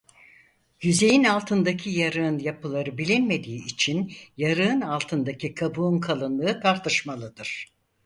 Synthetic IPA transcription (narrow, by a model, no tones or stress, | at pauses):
jyze̞jinalˠt̪ʰɯnd̪acʰijaɾɯɯnjapʰɯlˠaɾɯbilʲinme̞d̪iːit͡ʃʰinjaɾɯɯnalˠt̪ʰɯnd̪acʰikʰabuːnkʰalˠɯnlˠɯːt̪ʰaɾt̪ʰɯʃmalˠɯd̪ɯɾ̥